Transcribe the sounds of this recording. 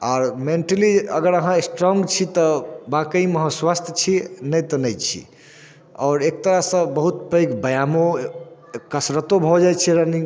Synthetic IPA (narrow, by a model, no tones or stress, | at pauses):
aːɾmeɳʈəliəɡəɾəɦãesʈɾɔŋɡt͡ʃʰit̪ɔbãkəiməɦə̃swast̪ʰjət͡ʃʰinəjt̪ənəjt͡ʃʰḭ | ɔːɾek̚t̪əɾasə̃bəɦut̪pəjkbəjamo | kəsɾət̪obʱɔd͡ʒajt͡ʃʰɛɾənĩ